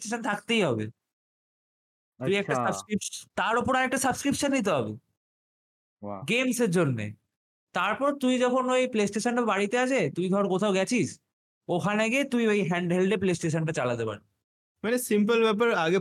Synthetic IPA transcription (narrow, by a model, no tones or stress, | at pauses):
sʈeʃənt̪ʰak̚t̪ejɦɔbḛ | t̪umiɛkasabskɾipt̪aɾopoɾaɾɛk̚ʈasəbskɾipʃanːit̪̬eɦɔbḛ | ɡemseɾd͡ʑonːḛ | t̪aɾpɔɾt̪uid͡ʑɔkʰonejplesʈeʃanʈabaɽit̪eat͡ɕʰet̪ujɡʱɔɾkot̪ʰaoɡɛt͡ɕʰiʃ | okʰaneaɡet̪uiejɦɛɳɖɦelɖeplesʈeʃanʈat͡ɕalad̪epa̰ɾ | manesimp̬əlbɛp̬aɾaɡe